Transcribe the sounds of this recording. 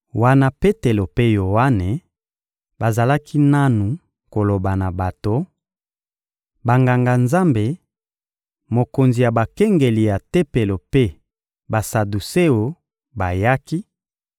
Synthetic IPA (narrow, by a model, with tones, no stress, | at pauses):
wa˦na˦pe˦te˨lo˨pe˦jo˨wa˦ne˨ | ba˨za˨la˦ki˦na˦nu˨ | ko˨lo˨ba˨na˨ba˨to˨˦ | ba˨ŋɡa˨ŋɡa˨nza˦mbe˨ | mo˨ko˨nzi˨ja˨ba˨kɛ˦ŋɡe˨li˨ja˨te˦pe˨lo˨pe˦ | ba˨sa˨du˨se˦jo˨ | ba˨ja˦ki˦